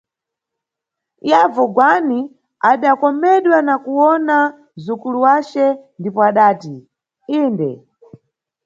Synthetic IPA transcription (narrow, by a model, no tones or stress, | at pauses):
javɔɡwani | aɗakɔmɛɗwanakuwɔna | zukuluwat͡ʃɛndipɔaɗaːti | iːndɛ̰